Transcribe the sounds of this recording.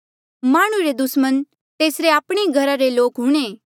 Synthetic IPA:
maːɽ̃uɾed̪ʊsmən | t̪eːsɾeaːpɽ̃eɡʱɐɾaɾeloːkɦʊːɽ̃eː

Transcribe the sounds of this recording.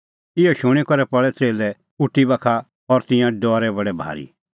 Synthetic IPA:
ɪjɔʃʊɽ̃ɛkɔɾɛpɔɭɛt͡seːlɛ | ʊʈːibakʰa | ɔɾt̪ɪ̃jãɖɔːɾɛbɐɽɛbʱa̰ːɾḭ

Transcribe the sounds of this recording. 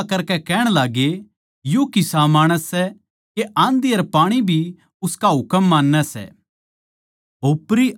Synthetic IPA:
kɐɾkɛkɛːɽ̃laːɡe | jokɪsamaːɽ̃əsːɛ | keʔãːnd̪iɐɾpaːɽ̃ibʱi | ʊskaɦʊkəmːãːnːɛsɛ̰ | oːpɾi

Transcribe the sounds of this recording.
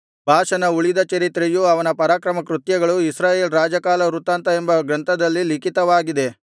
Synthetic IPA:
bʱaːʃɐnɐuɭid̪ɐt͡ʃɐɾit̪ɾejuɐʋɐnɐpɐɾaːkɾɐmɐkɾut̪jɐɡɐɭuisɾaːje̞ːlɾaːd͡ʒɐkaːlɐɾut̪aːnt̪ɐembɐɡɾɐnt̪ʰɐd̪ɐlːilikit̪ɐʋaːɡid̪e̞

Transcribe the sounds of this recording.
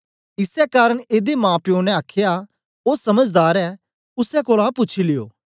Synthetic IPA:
ɪsɛkaːɾəɽ̃eːd̪emãːpjõːnɛ̃aːkʰja | osɐməd͡ʒd̪aːɾɛː | ʊsɛkoːlapʊt͡ʃʰilɪjo̰ː

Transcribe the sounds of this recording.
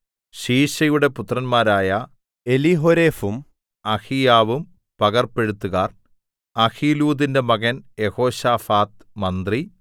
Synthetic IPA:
ɕiːɕɐjuɽe̞put̪rɐnmaːɾaːjɐ | eliɦoɾeːfum | ɐxijaːʋum | pɐɣɐrpe̞ɽut̪ːuɣaːr | ɐxiːluːðinde̞mɐɣɐnje̞ho̞ːɕaːfaːt̪ | mɐnd̪ri

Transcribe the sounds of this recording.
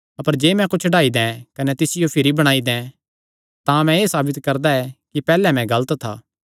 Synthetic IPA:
ɐpəɾd͡ʒeːmɛ̃kʊt͡ʃʰɖaːid̪ɛ̃kɐnɛt̪ɪsɪjopʰɪɾibɐɽ̃aːid̪ɛ̃ | t̪ãmɛ̃eːsaːbɪt̪kɐɾd̪aɛkipɛːlɛmɛ̃ɡɐlət̪t̪ʰa̰ː

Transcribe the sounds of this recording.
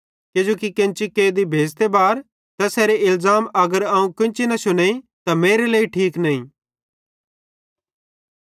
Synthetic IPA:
ked͡ʒoːkikɪ̃nt͡ʃikeːd̪ibʱeːd͡ʒt̪ebaːɾ | t̪ɐsɛːɾeɪlzaːmɐɡəɾɐũkɪ̃nt͡ʃinɐsʊneit̪ɐmeːɾeləːiʈʰiːknɐːĩː

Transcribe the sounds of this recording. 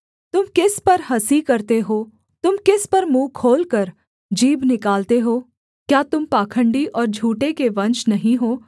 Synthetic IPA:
t̪ʊmkɪspɐɾɦɐsikɐɾt̪eɦoː | t̪ʊmkɪspɐɾmũːkʰoːlkɐɾ | d͡ʒiːbnɪkaːlt̪eɦoː | kjaːt̪ʊmpaːkʰə̃ɳɖiʔɔːɾd͡ʒʱuːʈekeʋɐ̃nt͡ʃnɐɦĩɦoː

